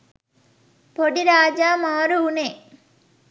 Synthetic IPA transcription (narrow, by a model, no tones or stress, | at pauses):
poɽiɾaːd͡ʒaːmaːɾuuneː